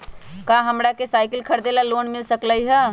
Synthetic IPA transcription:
kaɦəmɾakesaːɪkəlkʰəɾd̪elaloːnmɪlsəkləiɦɛ

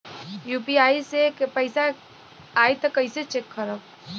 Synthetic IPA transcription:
jupiaːisepəɪsa | ajt̪əkəɪset͡ʃekʰːəɾək̚

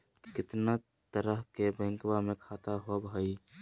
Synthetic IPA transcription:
kɪt̪na | t̪əɾəɦkebə̃ŋkwamekʰat̪aɦobɦəj

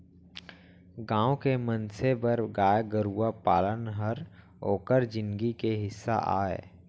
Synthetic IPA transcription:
ɡãːõkemə̃nsebəɾɡaːjɡəɾuːapaːlənɦəɾ | oːkəɾd͡ʒɪ̃nɡikeɦɪsːa̰ʔa̰ːḛː

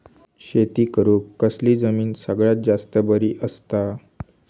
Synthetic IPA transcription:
ɕet̪iːkəɾuːkkːəsliːd͡zəmiːnsəɡɭjat̪̚d͡zast̪əbəɾiːʔəst̪a

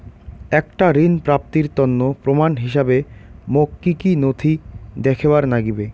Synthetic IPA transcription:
ɛkʈaɾinpɾap̚t̪iɾt̪onːopɾomanɦiʃabemokːikinot̪ʰid̪ɛkʰebaɾnaɡibe

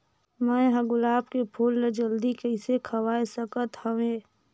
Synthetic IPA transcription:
mə̃ɦəɡʊlaːpkepʰuːlːed͡ʒəld̪ikəɪsekʰəwaːesəkət̪həʋẽː

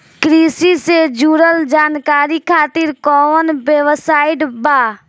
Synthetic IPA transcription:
kɾiːsised͡ʒuːɾəld͡ʒaːnkaːɾikʰaːt̪iːɾkɔːənbeʋsaːɪɖbaː

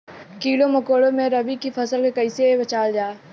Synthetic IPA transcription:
kiːloməkoːɽõmẽɾəbikipʰɐsəlkẽkəɪsebɐt͡ʃaːld͡ʒaː

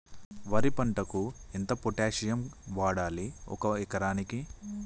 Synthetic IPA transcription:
ʋɐɾipɐɳʈɐkuint̪ɐpoʈaːʂijɐmʋaːɽaːliɔ̰kɐɛkɐɾaːniki

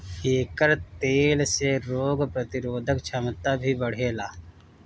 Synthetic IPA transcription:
eːkəɾt̪eːlseɾoːɡpɾət̪ɪɾoːd̪ʱəkt͡ʃʰəmt̪abʱiːbɐɽ̤eːlaː

